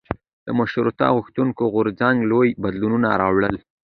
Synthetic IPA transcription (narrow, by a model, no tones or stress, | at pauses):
d̪̥əmʊʃɾut̪ɑ̰ɣuxt̪uŋkoɣʊɾzaŋɡlojbad̪lununaɾɑwɽəl